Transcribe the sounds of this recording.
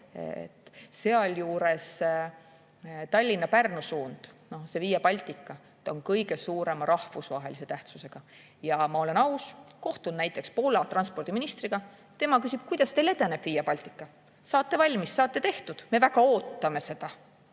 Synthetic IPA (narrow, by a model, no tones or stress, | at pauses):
ḛt̪ːˑseɑljuːɾe̞s | t̪ɑlʲːinːɑpærnusuːnd̪̥no̞hse̞viːjepɑlʲt̪ˑikːɑ | t̪ːonkɤjɡe̞suːɾe̞mɑɾʔɑhvusvɑɦe̞̰lise̞t̪æht̪suse̞ɡ̥ɑ | jɑmɑo̞le̞nɑwsko̞ht̪unnæjt̪ːˑe̞kspo̞lɑt̪rɑnspo̞rd̪̥iminist̪riɡ̥ɑ | t̪e̞mɑkysʲib̥̚kujd̪̥ɑst̪e̞jled̪e̞neb̥vijepɑlʲt̪ˑikːˑɑ | sɑːt̪ːe̞vɑlʲmisːɑːt̪ːe̞t̪e̞ht̪ud̪̥me̞væɡɑo̞ːt̪ːɑme̞se̞d̪̥ɑ